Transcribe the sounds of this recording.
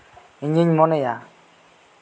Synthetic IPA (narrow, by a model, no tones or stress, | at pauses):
ɲiɲmoneja